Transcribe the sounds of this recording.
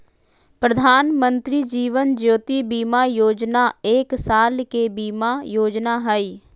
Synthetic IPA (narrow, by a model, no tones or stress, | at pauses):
pɾəd̪ʱaːnmə̃nt̪ɾid͡ʒiːʋənd͡ʒjoːt̪ibiːmajoːd͡ʒnaeːksaːlkebiːmajoːd͡ʒnaɦəi